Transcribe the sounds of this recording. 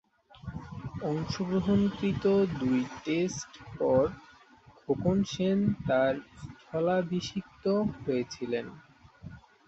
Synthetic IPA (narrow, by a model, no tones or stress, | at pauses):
ɔŋʃoɡɾoɦonkɾit̪od̪ujʈesʈpɔɾ | ɡʱokonʃent̪aɾd͡ʑʱʰɔlabiʃikt̪oɦojet͡ɕʰilen